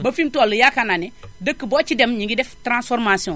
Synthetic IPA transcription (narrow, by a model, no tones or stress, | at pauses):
bafimtɔlujakananɛdəkːibɔt͡ʃidemɲĩŋɡidɛftɾãsfɔɾmasiɔ̃